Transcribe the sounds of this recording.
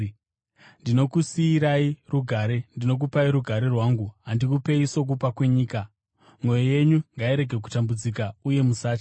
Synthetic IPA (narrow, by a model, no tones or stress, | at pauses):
ndino̞kusiːɾairuɡʱaɾe̞ndino̞k̬upaiɾuɡʱaɾe̞rwaːŋɡuɦandikupe̞iso̞k̬upakwe̞ɲiːka | mwo̞joje̞ɲuŋɡaiɾe̞ɡʱe̞k̬utambud͡zikauje̞musaːt͡ʃa